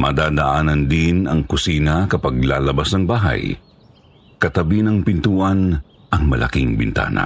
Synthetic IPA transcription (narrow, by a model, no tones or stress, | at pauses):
mʔɐ̰d̪aːd̪ɐʔaːnɐnd̪ɪnɐŋkʊsiːnɐkɐpɐɡ̚la̰ːlɐbasnɐŋbaːɦɐ̰j | kɐt̪ɐbinɐŋpɪnt̪uːʔɐn | ʔɐŋmɐ̰lʔɐ̰kɪŋbɪ̰nt̪a̰ːnɐ̰